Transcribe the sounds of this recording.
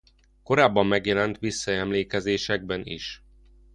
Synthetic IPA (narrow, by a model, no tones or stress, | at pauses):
ko̞ɾaːbːɒmːɛɡjɛlɛnt̪ʋisːɒɛmleːkɛzeːʃɛɡ̚bɛnḭʃ